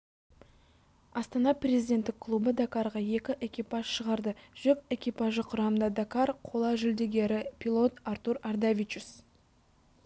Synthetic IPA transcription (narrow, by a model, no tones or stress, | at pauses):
ɑst̪ɑnɑprʲe̞zʲijd̪ʲe̞nt̪ːɪkʰːlˠubəd̪akɑɾʁɑje̞kʲɪʔe̞kʲipɑʒ̥ʃəʁɑɾd̪əʒ̥ʏke̞kʲipɑʒəqʰʊɾɑmənd̪ɑd̪akaɾqʰo̞lˠɑʒʏld̪e̞ɡʲe̞ɾɪpʰʲilˠo̞t̪aɾt̪uɾard̪avʲit͡ʃus